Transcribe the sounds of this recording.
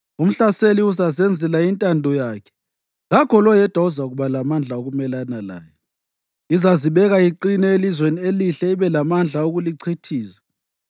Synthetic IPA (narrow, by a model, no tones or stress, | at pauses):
um̩ɬaseliuzazɛnd͡zʱɛlaintʼandʱɔjaːkʰɛ̥ | ŋɣakʰɔlɔjɛd̥ʱwauzaɣuβalamand͡ɮʱaoɣumɛlanala̰ːjɔ | izaziβɛɣaiǃinɛelizwenieliɬɛiβɛlamand͡ɮʱauɣuliǀʰitʰiːsḁ